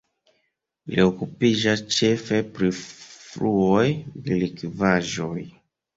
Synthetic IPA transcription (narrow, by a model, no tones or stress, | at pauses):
lḭokupid͡ʒast͡ʃefepɾifluojdelikivaʒoj